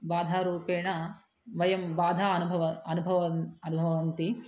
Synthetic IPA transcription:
ʋaːd̪ʱaːɾuːpeːɳɐ | ʋɐjɐmʋaːd̪ʱaːɐnubʱɐʋɐɐnubʱɐʋɐɐnubʱɐʋɐɐnt̪i

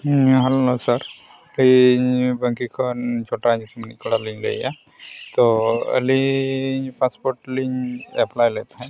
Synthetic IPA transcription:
ɦɛlonosəɾ | libə̃ŋkikʰɔnt͡ʃʰoʈanɪkɽaliɲlḛja̰ | t̪oə̰li | paspoɾʈliɲɛplajlet̪aɦɛ̃

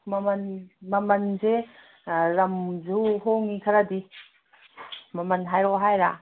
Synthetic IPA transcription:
mamanmɐmɐnze | ɾamzuɦoŋikʰaɾadi | mamɐnɦajɾɔɦajɾa

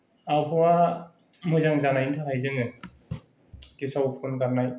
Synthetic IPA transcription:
awpʰɔwa | mɯjzaŋzanajntʰakajzɯŋɯ | kisawupʰɯnkaɾnaj

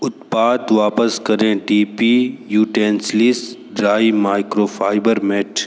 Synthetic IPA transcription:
ʊt̪paːt̪ʋaːpəskɐɾẽʈiːpiːjuːʈeːnslɪsɖɾaːimaːɪkɾoːfʰaːɪbəɾmɛːʈʰ

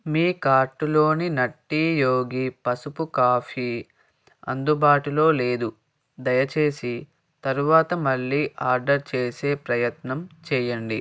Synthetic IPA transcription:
miːkaːɾʈulo̞ːninɐʈːiːjo̞ːɡipɐsupukaːpʰiː | ɐ̰nd̪ubaːʈulo̞ːle̞ːd̪u | d̪ɐjɐt͡ʃe̞ːsi | t̪ɐɾuʋaːt̪ɐmɐɭːiːʔaːɾɖɐɾt͡ʃe̞ːse̞ːpɾɐjɐt̪nɐmt͡ʃɛːjɐɳɖi

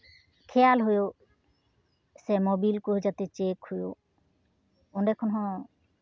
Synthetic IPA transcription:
kʰɛjalɦojo | sɛmobilkuɦd͡ʒat̪et͡ʃekhujo | ɔnɖɛkʰɔnɦɔ̃

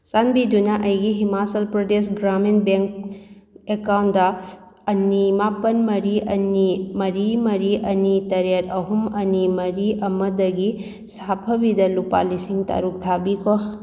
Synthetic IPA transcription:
sanbidunɐʔɐjɡiɦimasɐlpɾodesɡɾamenbeŋk̚ | ekawntdɐː | nimapɐnmɐɾiɐnimɐɾimɐɾiʔɐnitɐɾeɾɐɦumɐnimɐɾiʔɐmɐdɐɡi | sapʰɐbidɐlupa̰lisiŋta̰ɾuk̚tʰabikʰo

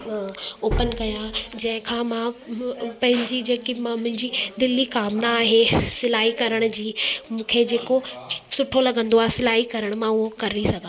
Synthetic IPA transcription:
oːpən̆kɐjãd͡ʑɐ̃ɦɪ̃kʰãːmã | pɐ̃ɦɪ̃ɲd͡ʑid͡ʑeːkimãmʊ̃ɦɪ̃ɲd͡ʑid̪ɪlikaːmnaːɦesɪlaːɦikɐɾəɽ̃ʊ̆d͡ʑiːmũːkʰed͡ʑeːkosʊʈʰolɐɡə̃nd̪oaːɦesɪlaːɦikɐɾəɽ̃mãʊɦokɐɾɪɾisɐɡʱãː

